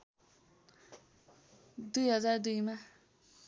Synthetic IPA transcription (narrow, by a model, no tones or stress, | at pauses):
d̪ujɦʌd͡zard̪ujma